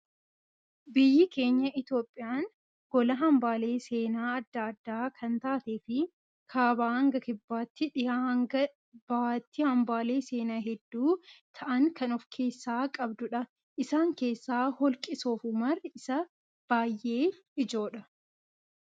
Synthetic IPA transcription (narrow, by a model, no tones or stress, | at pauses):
bɪjːɪke̞ːɲːɐʔɪt̪jo̞ːpʼːɪjaːn | ɡɔlɐɦɐmbaːle̞ːse̞ːnaːɐd̪ːɐɐd̪ːaːkʰɐnt̪aːt̪eːfɪ | kʰaːbaːhɐŋɡɐkɪbːaːt̪ːɪᶑɪjaːhɐŋɡɐ | b̥aːt̪ːɪhɐmbaːle̞ːse̞ːnaːɦɛd̪ːuːt̪ʰɐʔɐŋkɐnɔfkʰe̞ːsːaːkʼɐbd̪ʊᶑɐ | ʔɪsaːŋke̞ːsːaːhɔlkʼɪso̞ːfʊmɐrɪsɐ | b̥aːjʔe̞ː | ɪd͡ʒo̞ːᶑɐ